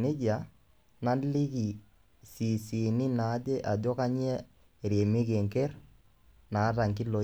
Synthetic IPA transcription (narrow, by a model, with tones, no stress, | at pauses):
ne˦d͡ʒa˨ | na˦li˦ki˨ | si˨si˨ni˦na˨˦d͡ʒe˦ʔa˨d͡ʒo˦ka˦ɲi˦ɛ˦˨ | ɾje˨mi˦k̬e˨ŋke˦r | na˨˦ta˨ŋki˦lo˨